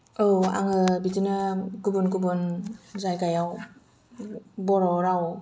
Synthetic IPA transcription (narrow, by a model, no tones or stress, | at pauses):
owa̰ŋɯbitinaɡubunɡubunzajkajaw | bɔɾɔɾaw